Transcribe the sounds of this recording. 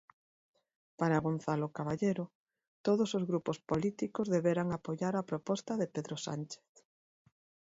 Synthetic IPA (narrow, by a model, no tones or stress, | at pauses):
paɾaɣon̟θalokaβaʎeɾʊ | t̪oðosozɣɾupospolit̪ikozðeβeɾaŋapojaɾapɾopɔst̪ɐðepeðɾosa̰nt͡ʃe̥θ